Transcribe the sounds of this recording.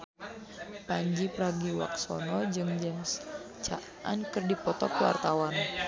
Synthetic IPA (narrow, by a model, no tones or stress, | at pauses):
paɲd͡ʒipəɾaɡiwa̰k̚sɔ̰nɔd͡ʒɨŋd͡ʒɛms | t͡ʃa̰ʔʔa̰nkɨrdipɔt̪ɔkwa̰rt̪awan